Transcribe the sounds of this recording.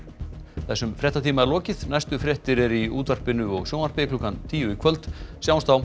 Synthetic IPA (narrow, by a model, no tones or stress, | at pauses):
θɛsːʏmfɾjɛht̪at̪ʰiːmaɛɾlɔːcɪðnajst̪ʏfɾjɛht̪ɪɾɛɾiuːt̪ar̥pɪnʏɔɣsjoːwnar̥pɪkluːkːant̪ʰiːjʏikʰvœlt̪sjaːwnst̪aw